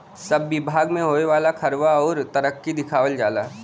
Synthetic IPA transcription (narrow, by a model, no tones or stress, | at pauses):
sɐbːɪbʱaːɡmẽɦoːeʋaːlakʰɐɾʋaɔːɾt̪ɐɾəkːid̪ɪkʰaːʋəld͡ʒaːlaː